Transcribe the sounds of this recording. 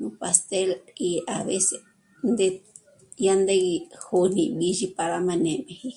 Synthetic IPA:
nũ˧pa˧st̪e˦li˧a˨βe˦se˧ | nd̪e˧ | ja˦nd̪e˦i˧ho˧nĩ˧bi˧ʒi˧pa˧ɾa˧mã˧nẽ˨mẽ˨˧hi˦

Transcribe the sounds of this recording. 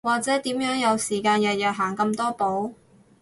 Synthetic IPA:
waː˨k̚t͡sɛː˨˥t̪iː˨˥mjœː˨˥ŋjɐ˨˧wsiː˨˩kaː˧njɐ˨t̚jɐ˨ɦaː˨˩ŋkɐ˧mt̪ɔː˥po˨˥w

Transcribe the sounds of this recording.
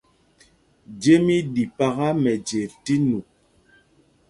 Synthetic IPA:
d͡ʒe˦mi˦di˨pa˦ɣa˦mɛ˨d͡ʒe˨ti˦nu˨

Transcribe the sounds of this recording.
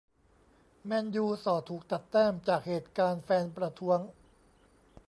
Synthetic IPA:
mɛ˧njuː˧sɔː˨˩t̪ʰuː˨˩k̚t̪a˨˩t̪ːɛː˥˩mt͡ɕaː˨˩k̚heː˨˩t̪̚kaː˧nfɛː˧npɾa˧t̪ʰu˦˥əŋ

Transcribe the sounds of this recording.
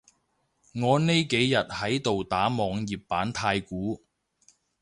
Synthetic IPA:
ŋɔː˨˧ne˥jke˨˥jːɐ˨t̚hɐ˨˥jt̪o˨wt̪aː˨˥mɔː˨˧ŋjiː˨p̚ːaː˨˥nt̪ʰaː˧jkuː˨˥

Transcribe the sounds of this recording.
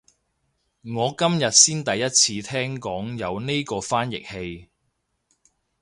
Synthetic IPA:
ŋɔː˨˧kɐ˥mjɐ˨t̚siː˥nt̪ɐ˨jːɐ˥t̚t͡sʰiː˧t̪ʰɛː˥ŋkɔː˨˥ŋjɐ˨˧wne˥jkɔː˧faː˥njɪ̰˨k̚he˧j

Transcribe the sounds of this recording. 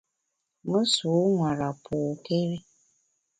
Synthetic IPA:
mə˦su˨˦ŋʷa˨ɾa˨pʰo˨ke˦ɾi˦

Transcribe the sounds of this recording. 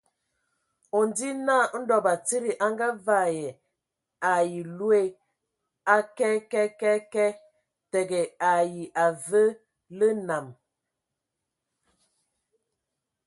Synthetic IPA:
ɔ˨n˨di˦na˦˨˦n̩˦dɔ˨ba˨ti˦ɾi˨ʔa˦ŋɡa˦va˦˨jɛ˨ | a˨ji˨lu˦e˦ | a˦kɛ˦kɛ˦kɛ˦kɛ˦ | tɛ˨ɡɛ˨a˨ji˨ʔa˨və˦ | lə˦na˨m

